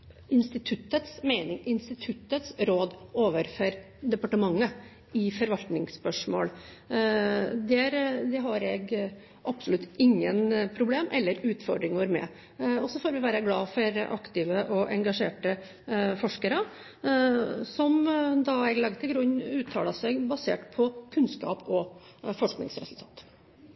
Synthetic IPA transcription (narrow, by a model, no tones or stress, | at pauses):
ɪnst̪ɪt̪ʰʉt̪ːət̪smeɪnɪŋʔɪnst̪ɪt̪ʰʉt̪ːət̪sɾoːd̪oːʋəɾfɔɾ | d̪ɛpɑʈəmɑŋːə | ɪfɔɾʋɑlt̪nɪŋspœʂmo̰ːl | d̪ɛæɾd̪ɛɦɑɾɛɡ | ʔɑpsʊlʉt̪ːɪŋːənpʰɾʊbleːmʔɛlːəɾʉːt̪fɔɖɾɪŋɔɾmɛ̰ | ɔsɔfoːɾʋɪʋæːɾəɡlɑːfɔɾʔɑkt̪ɪʋəʔɔʔɛ̰ŋɡɑʂeːʈə | fɔʂkəɾə | sɔmd̪ɑɛɡlɑɡt̪ʰɪlɡɾʉɲːʉːt̪ʰːɑ̰ːlɑsɛɡbɑsḛːʈpʰɔkʰʉnskɑ̰ːpɔ | fɔʂknɪ̰ŋsɾɛ̰sʉlt̪ʰɑ̰ːt̪